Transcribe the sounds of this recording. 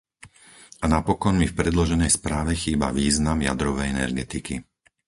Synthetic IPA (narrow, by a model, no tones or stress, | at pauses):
anapɔkɔnmifpɾɛd̪lɔʒɛnɛjspɾaːʋɛxiːbaʋiːznamja̰d̪ɾɔʋɛjɛnɛ̰ɾɡɛt̪iki